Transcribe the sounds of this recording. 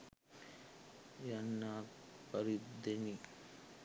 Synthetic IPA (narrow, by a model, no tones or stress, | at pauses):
janːapɐɾid̪eni